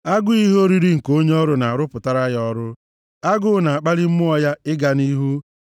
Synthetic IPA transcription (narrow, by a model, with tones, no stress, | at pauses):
a˦ɡʊ˦i˦ɦo˦ɾi˦ɾi˦ŋ̩˨ko˦ɲe˦ɔ˦ɾʊ˦na˨a˨ɾʊ˦pʊ˨ta˦ɾa˦jɔ˦ɾʊ˦ | a˦ɡʊ˦na˨a˨k͡pa˦li˦m̩˦mʊ˦ɔ˦ja˦ɪ˦ɡa˨ni˦ɦu˦